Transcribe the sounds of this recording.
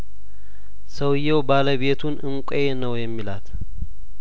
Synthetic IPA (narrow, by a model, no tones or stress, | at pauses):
səwjːɛwbaləβe̞t̪ʰunɨŋkʷʼenəwjɛmːilat̪